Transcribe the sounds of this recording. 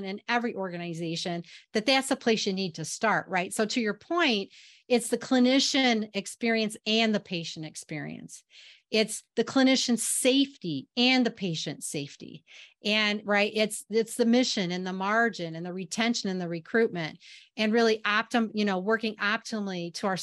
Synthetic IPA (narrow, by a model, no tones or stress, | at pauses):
nɨ̃nɛvɹiʔɔɹɡɨnɨzeɪʃɨ̃nðɨt̪̚ðætsəpʰl̥eɪsjɨnid̚tʰɨstɑɹʔ̚ɹaɪtsoʊɾɨjə˞pʰɔ̃ɪ̃nt̚ | ɨtsðɨkʰl̥ɨnɪʃɨ̃nɨkspɪɹiɨ̃nsɨ̃nðɨpʰeɪʃɨ̃nɨkspɪɹḭɨ̰̃ns | ɪtsðɨkʰl̥ɨnɪʃɨ̃n̥seɪftiɨ̃nðɨpʰeɪʃɨ̃ntseɪftḭʔɨ̃nɹaɪtɪtsɪtsðɨmɪʃɨ̃nɨ̃nðəmɑɹd͡ʒɨ̃nɨ̃nðɨɹitʰɛ̃nʃɨ̃nɨ̃nðɨɹɨkʰɹ̥ʉt̚mɨ̃ntɨ̃nɹɪlˠiʔɑp̚tɨmjɨñoʊwɜ˞kɪ̃ŋɑp̚tʰəmliɾəaʊə˞